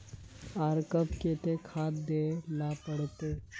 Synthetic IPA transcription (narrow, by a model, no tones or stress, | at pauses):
aːɾkəpkeːt̪ekʰaːt̪d̪eːlapəɽ̤t̪eː